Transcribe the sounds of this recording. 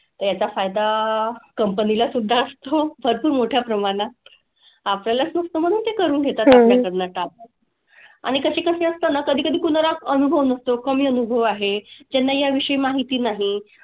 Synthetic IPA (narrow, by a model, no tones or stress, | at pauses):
t̪əɾjat͡ɕafajd̪akəmpənilasud̪ʱːaəst̪obʱəɾpuːɾmoʈʰjapɾəmaɽ̃a | apljalasnəst̪om̤əɽ̃uːnt̪ekəɾuːnɡʱet̪at̪apljakəɾnaʈap̚ | a̰ɽ̃ikəɕekəseəst̪anakəd̪ʱiːkəd̪ʱiːkunɾakənubʱəʋnəst̪okəmiːənubʱəʋaɦed͡ʑɛnːajaʋiʂəimaɦit̪iːnaɦi